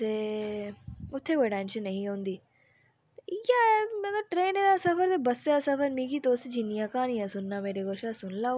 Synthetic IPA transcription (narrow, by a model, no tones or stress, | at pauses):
e | ʊt̪ʰːekoʈeːnʃɐnːɐɦĩõːnd̪iː | jamenaʈɾeːned̪aːsɐfɐɾt̪ebɐsːeasɐfɐɾmikit̪oːsed͡ʒinːijakaːnijasunːameːɾeɡoʃasunlaː